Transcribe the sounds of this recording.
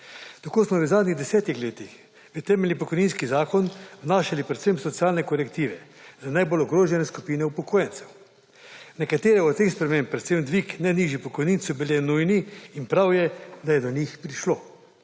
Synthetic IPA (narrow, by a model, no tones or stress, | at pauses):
t̪akoːsmɔʋəzaːd̪niɣd̪ɛsɛːt̪ixleːt̪ix | ʋit̪ɛːmɛlnipɔkɔjniːnskizaːkɔnwnaːʃalipɾɛt̪semsɔt̪siaːlnɛkɔɾɛkt̪iːʋɛzanajbolɔɡɾoːʒɛnɛskupiːnɛupɔkʰoːjɛnt̪sɛw | nɛkat̪eːɾɛɔt̪t̪ːeːxspɾɛmẽmpːɾɛt̪semd̪ʋiknɛniːʒjipɔkɔjniːnsɔbilʲɛnujniːnpɾawjɛd̪ajɛd̪ɔɲixpɾiʃloː